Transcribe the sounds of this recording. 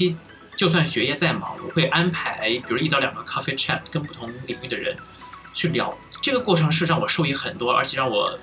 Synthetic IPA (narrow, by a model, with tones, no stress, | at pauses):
i˥ | t͡ɕjo˥˧ʊs̬wa˥˩nɕɥɛ˧˥jɛ˥˧t͡sa˥˩ɪmɑ̰˧˥wɔ̰˨˩xwe˥˩ɪʔa˥npʰa˧˥ɪpi˨˩u˧˥i˥˩t̪ɑ˧˥ʊjɑ˨˩ɡə˧˦kʰa˥fe˥ɪʈ͡ʂʰa˥˩p̚ʰkə˥˧ŋpu˥˩t̪ʰʊ˧˥ŋli˨˩ŋy˥˩d̪ə˩ɻə̰˧˥n | t͡ɕʰy˥˩ljɑ̰˨˩˥ʊʈ͡ʂɤ˥˩ɡə˩kwɔ˥˩ʈ͡ʂʰɤ˧˥ŋʂ̬ɻ̩˥˧ɻɑ˥˩ŋwɔ˨˩ʂo˥˧ʊi˥˩xə˨˩nt̪wɔ˥ə̰˞˧˥t͡ɕʰɛ˨˩ɻɑ˥˩ŋwɔ̰˨˩˦